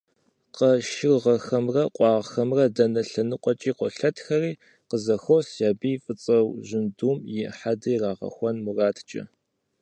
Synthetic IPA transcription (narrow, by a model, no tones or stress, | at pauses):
qɐʃɪrʁɐxɐmrɐqʷʼɑːʁxɐmrɐdɐnɐɬɐnɨqʷʼɔt͡ʃʼiːqʷɔɬɐtxɐriː | qəzɐxowsjaːbiːfʼɨt͡sʼɐwʒɪnduːmjɪħadɐjraːʁɐ̰xʷɔnmuraːtʰt͡ʃʼɐ̰